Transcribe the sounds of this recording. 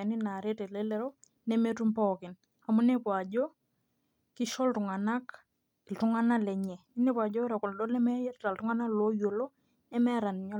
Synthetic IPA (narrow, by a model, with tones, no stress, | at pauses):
ni˦na˨ɾɛ˦tɛ˨lɛ˦lɛ˦ɾo˦ | nɛ˦mɛ˦tu˦mpɔ˦kɪ˨n | a˨mu˦nɛ˦pwa˨d͡ʒɔ˦ | ki˦ʃɔ˦ltu˨ŋa˨na˦k | i˨ltu˦ŋa˦na˦lɛ˨ɲɛ˨ni˦nɛ˦pwa˨d͡ʒɔ˦ɾa˨ku˨ldɔ˦lɛ˦mɛ˦jɛ˦ɾta˨ltu˦ŋa˦na˦lo˦jo˨lɔ˦ | nɛ˦mɛ˦ɾa˨ni˨ɲa˦